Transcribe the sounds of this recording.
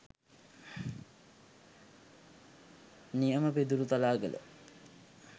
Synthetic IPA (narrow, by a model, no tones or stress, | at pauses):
niəməped̪uɾut̪alaːɡələ̰